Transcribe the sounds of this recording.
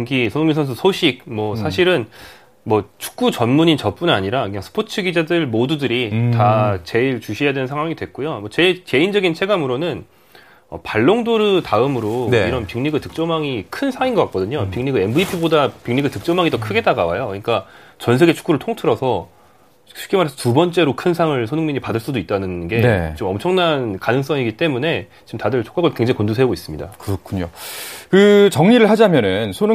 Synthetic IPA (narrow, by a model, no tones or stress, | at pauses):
ŋɡisʰʌnoŋminsʰʌns̬ʰʌsʰoɕʰik̚mwʌsʰaɕʰiɾɯn | mwʌt͡ɕʰu̥k̚k͈ut͡ɕʌnmuɲint͡ɕʌp͈unaɲiɾakɯɲaŋsʰɯ̥pʰot͡ɕʰɯɡid͡ʑadɯɭmodudɯɾitat͡ɕe̞iɭt͡ɕuɕʰijadwe̞nɯnsʰaŋwaŋidwe̞k͈̚ujomʌt͡ɕe̞ke̞ind͡ʑʌɡint͡ɕʰe̞ɡamɯɾonɯn | ʌ̰paɭːoŋdoɾɯtaɯmɯɾoiɾʌnpiŋɲiɡɯɭtɯk̚t͡ɕ͈ʌmaŋikʰɯnsʰaŋinɡʌk͈ak͈ʌdɯɲopiŋɲiɡɯenbɯipʰibodapiŋɲiɡɯɭtɯk̚t͡ɕ͈ʌmaŋitʌkʰɯɡe̞t͈aɡawajokɯɲik͈at͡ɕʌnsʰe̞ɡe̞t͡ɕʰu̥k͈uɾɯɭtʰoŋtʰɯɾʌsʰʌ | u̥k͈imaɾesʰʌtubʌnt͡ɕ͈e̞ɾokʰɯnsʰaŋɯɭsʰonɯŋmiɲipadɯɭs͈udoit̚t͈anɯnɡe̞et͡ɕomʌmt͡ɕʰʌŋnankanɯŋs͈ʌŋiɡit͈e̞mune̞ | t͡ɕimtadɯɭt͡ɕʰo̥k͈aɡɯɭkwe̞ŋd͡ʑaŋkondusʰeɡois͈ɯmɲida̰kɯɾʌkʰuɲokɯt͡ɕʌŋɲiɾɯɭhad͡ʑamjʌnɯnsʰonɯ